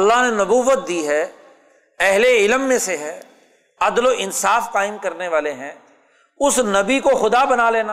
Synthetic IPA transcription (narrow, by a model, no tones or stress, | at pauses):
ɐlːaɦnenɐbuːʋət̪̚d̪iːɦɛː | ɛɦleɪlmːẽseɦɛː | ɐd̪loʔɪnsaːfqaːɪmkɐɾneʋaːleɦɛ̃ː | ʊsnɐbikoxʊd̪abɐnaleːnaː